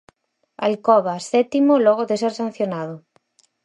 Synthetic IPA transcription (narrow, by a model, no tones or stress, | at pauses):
a̰lkɔβasɛt̪imolɔɣoðeseɾsãn̟θjonað̞o